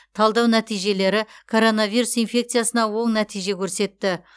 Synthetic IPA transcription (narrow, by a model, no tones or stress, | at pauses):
t̪ʰɑlˠd̪ɑwnæt̪ijʒe̞le̞ɾɪkʰo̞ɾo̞navijɾusijnfʲe̞kt̪sɨjasənɑwo̞ɴnæt̪ʰijʒe̞kʲʰɵɾse̞t̪ːɪ